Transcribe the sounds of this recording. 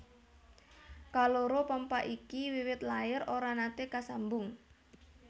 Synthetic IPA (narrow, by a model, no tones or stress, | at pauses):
kaloɾopəmpaʔikiwiwɪt̪laɪɾoɾanat̪ekasambʊŋ